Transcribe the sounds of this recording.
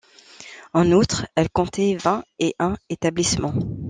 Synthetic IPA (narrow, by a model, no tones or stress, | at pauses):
ɑ̃nut̪χɛlkɔ̃t̪ʰɛvɛ̃eʔɛ̃et̪ablismɑ̃